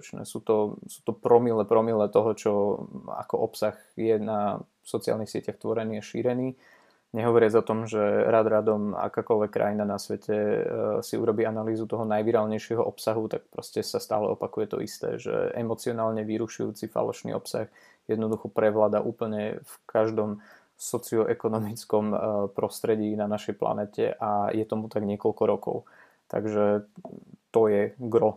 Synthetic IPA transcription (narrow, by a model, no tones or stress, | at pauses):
t͡ʃnɛ̰ːsuːt̪ɔsuːt̪ɔpɾɔmilɛpɾɔmilɛt̪ɔɦɔt͡ʃɔa̰kɔʔɔpsaɣ | jɛna | sɔt͡sia̰lnixsɪɛcaxt̪ʋɔɾɛniːaʃiːɾɛniː | ɲɛɦɔʋɔɾɪad͡zɔt̪ɔmʒɛɾad̪ɾad̪ɔma̰kaːkɔlʋɛkːɾʔa̰jinanasʋɛcʰɛsiuɾɔbiːanaliːzut̪ɔɦɔnajʋiɾaːlɲɛjʃɪɛɦɔʔɔpsaɦut̪ak̚pɾɔscɛsast̪a̰ːlɛ̰ɔpakujɛt̪ɔ̰ʔḭst̪ɛ̰ːʒɛ̰ɛmɔt͡siɔnaːlɲɛʋiɾuʃujṵːt͡sifa̰lɔ̰ʃnḭːɔ̰psa̰x | jɛd̪nɔd̪uxɔpɾɛʋlaːd̪aʔuːpl̩ɲɛfkʰaʒd̪ɔm | sɔt͡siɔʔɛkɔnɔmit͡skɔmpɾɔst̪ɾɛɟiːnanaʃɛjpla̰nɛːcɛ̰ʔajɛt̪ɔmut̪aɡɲɪɛkɔlkɔɾɔkɔ̰ʊ | t̪a̰ɡʒɛ | t̪ɔjɛɡɾɔ